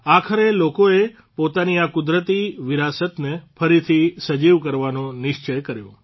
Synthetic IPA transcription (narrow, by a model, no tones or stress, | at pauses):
akʰəɾelokoe | pot̪aniakʊd̪ɾət̪iʋiɾasət̪nefʰəɾit̪ʰisəd͡ʒiʋkəɾʋanõnɪʃt͡ʃəjkəɾjõ